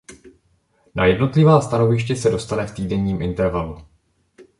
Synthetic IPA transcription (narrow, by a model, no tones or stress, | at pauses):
na̰jɛdno̞t̪lɪvaːst̪ano̞vɪʃcɛsɛdo̞st̪anɛft̪iːdɛɲiːmʔɪnt̪ɛɾvalu